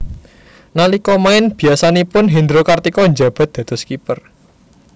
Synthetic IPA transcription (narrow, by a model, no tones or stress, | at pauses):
nalikɔmaɪnb̥i̤asanipʊnɦind̪ɾokart̪ikɔɲd͡ʒa̤b̥a̤t̪̚d̪̥ä̤d̪̥ɔ̤skipər